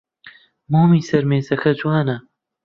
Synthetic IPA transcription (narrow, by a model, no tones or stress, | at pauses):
moːmiːsɐɾmeːzɐkʰɐd͡ʒwaːnɐ